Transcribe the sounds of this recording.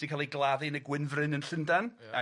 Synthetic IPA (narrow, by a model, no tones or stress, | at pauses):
d̥ikʰalˠiɡlˠaðɨnəɡwɪnvrɨnənɬəndan | a̰